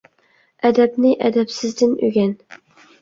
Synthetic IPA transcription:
æd̪æbnɪʔæ̰d̪apsɪzd̪ɪnɵɡʲæn

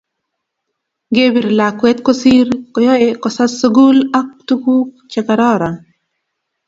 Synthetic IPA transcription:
ɡebiɾlaːkwet̪kosiːɾkojoekɔsasuɡulak̚t̪ukuːk | t͡ʃekaɾɑːɾan

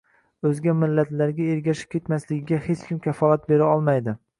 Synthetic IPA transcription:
ɵzɡʲamɪlːat̪laɾɡʲaeɾɡʲaʃɪ̥p̚kʲe̞t̪maslɪɡʲɪɡʲahet͡ʃkʲɪmkʲafɒlˠat̪̚beɾaɒlˠmajd̪ɪ

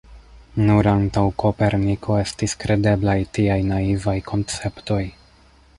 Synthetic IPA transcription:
nuɾantawkope̞ɾnikʰo̞e̞stiskɾe̞de̞blajtiajnaivajkʰo̞nt͡se̞pto̞j

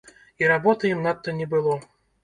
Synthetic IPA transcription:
iɾabɔt̪ɐjimnat̪ːɐnʲɛbɨlˠɔ

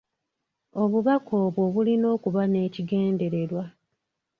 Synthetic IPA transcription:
o̞βuβakʰo̞ːβwo̞βulino̞ːkuβane̞ːciɡe̞ːnde̞ɾe̞ɾwa

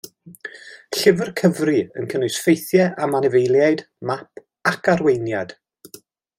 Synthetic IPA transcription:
ɬɪvərkʰəvriə̰nkʰənɨsfejθjɛʔamanɪvejlˠjaɨd | mapʰ | akʰarwejnjad̥

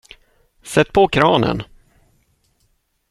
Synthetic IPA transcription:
sɛt̪̚ːpʰɔkʰɾɑːnə̰n

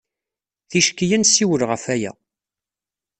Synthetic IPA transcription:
θiʃkːijænsiwəlʁəfæjæ̰

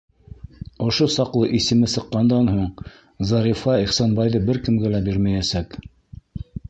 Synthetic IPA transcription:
ŏʃosɑqlˠɤʔisɘ̆mɘsɤ̆qːɑnd̪ɑnhuɴ | zɑɾifɑiχsɑnbɑjðɤbɘɾkɘ̆mɡælæbiɾmæjæsæk

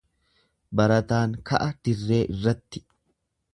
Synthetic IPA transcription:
bɐɾɐt̪aːŋkɐ̰ʔɐd̪̥ɪrːe̞ːʔɪrːɐt̪ːɪ̥

